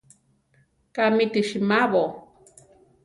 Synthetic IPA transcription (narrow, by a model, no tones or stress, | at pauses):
kamit̪iʃimaβo